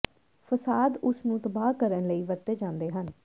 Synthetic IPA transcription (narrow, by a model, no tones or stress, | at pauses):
fʰəsaːd̪ʊsnũːt̪əbaːkəɾənləiːʋəɾt̪eːd͡ʒãːnd̪eːɦən